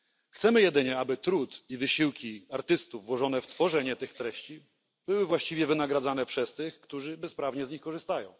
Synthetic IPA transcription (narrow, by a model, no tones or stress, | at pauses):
xt̪sɛmɘjɛd̪ɘɲɛabɘt̪ɾut̪ivɘɕiwkʲiaɾt̪ɘst̪uvːwɔʐɔnɛft̪fɔʐɛɲɛt̪ɘxt̪ɾɛɕt͡ɕi | bɘwɘvwaɕt͡ɕivʲjɛvɘnaɡɾad̪zan̪ɛpʂɛst̪ɘxkt̪uʐɘbɛspɾavɲɛzɲixkɔʐɘst̪ajɔ̃w̃